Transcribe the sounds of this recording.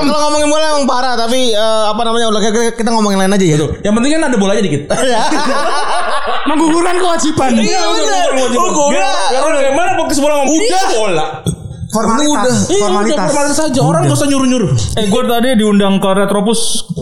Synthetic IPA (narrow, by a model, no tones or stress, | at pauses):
mkaloŋomɔŋɪnbolaemaŋpaɾat̪apiəːapanamaɲaolakkikit̪aŋomɔŋɪnlaɪnad͡ʒaat̪ʊjaŋpənt̪iŋkanadabolɲadikɪt̪ja | maɡuɡunankəwad͡ʒipanɡaud͡ʒaakəwad͡ʒiɡoaaɾabaɡajmanapɔkəsəbolaŋomudaolaʔ | fɔmaudaiadafɔrmalit̪asad͡ʒaoɾaŋbɾusaɲuɾʊɲuɾʊɛɡuat̪adidiundaŋkəɾet̪ɾopʊs